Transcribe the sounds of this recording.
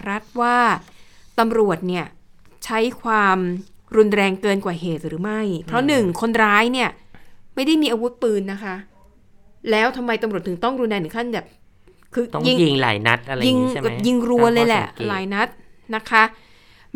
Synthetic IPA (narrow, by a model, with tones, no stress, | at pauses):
ɾa˦˥t̪̚waː˥˩t̪a˧mɾu˨˩ət̪̚ni˥˩ɐt͡ɕʰa˦˥jkʰwaː˧mɾu˧nɾɛː˧ŋkɤː˧nkwaː˨˩ɦeː˨˩t̪̚ɾɯː˩˦ma˥˩jpʰɾɔ˦˥nɯ˨˩ŋkʰo˧nɾaː˦˥jni˥˩ɐma˥˩jda˥˩jmiː˧ʔaː˧wu˦˥t̪̚pɯː˧nːa˦˥kʰa˦˥ | lɛː˦˥wt̪ʰa˧mːa˧jt̪a˧mɾu˨˩ət̪ʰːɯ˩˦ŋt̪ɔ˥˩ŋɾu˧nɾɛ˧nʰɯ˩˦kʰa˥˩nbɛː˨˩p̚ | kʰɯː˧ɔ˥ji˧ŋi˧ŋla̰ː˩˦jna˦˥t̪̚ʔa˧i˧ŋ̚ː˩ji˧ŋɾu˧ɐlɤː˧jlɛ˨˩ʔlaː˩˦jna˦˥t̪̚na˦˥kʰa˦˥